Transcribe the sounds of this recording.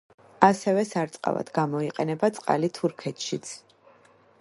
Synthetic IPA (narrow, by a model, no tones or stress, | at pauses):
asɛvɛsaɾt̪sʼqʼa̰va̰d̪ɡamɔiqʼɛnɛbat̪sʼqʼa̰lit̪ʰuɾkʰɛt̪ʰʃit̪sʰ